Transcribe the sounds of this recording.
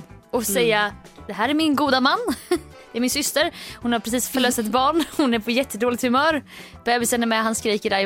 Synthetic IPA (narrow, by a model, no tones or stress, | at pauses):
ʔɔsɛjːad̪ɛɦæːɾæɾmɪnɡuːd̪amanː | d̪̥ɛæɾmɪnsʏst̪əɾhʊnhaɾpɾɛs̬iːsfœɭøːsɛt̪bɑːɳhʊnæɾpʰɔjɛt̪ʰːəd̪oːlɪt̪hɵmœːɾ | b̥ɛːbɪsɛnːɛɾmɛɦanskɾiːkəɖaɾ